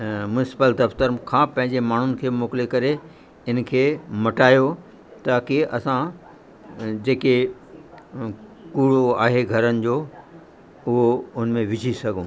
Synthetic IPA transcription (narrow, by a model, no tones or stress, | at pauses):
mʊnɪsɪ̥pəld̪ɐft̪əɾkʰãːpɐ̃ɦɪ̃ɲd͡ʑemaːɳ̤ʊnɪ̆kʰeːmoːkɪlekɐɾe | ɪnkʰeːmɐʈaːjo | t̪aːkeʔɐsã | d͡ʑeːke | kuːɽoaːɦeɡʱɐɾənɪ̆d͡ʑoː | ʊɦoʊnmẽʋɪd͡ʑʱisɐɡʱũ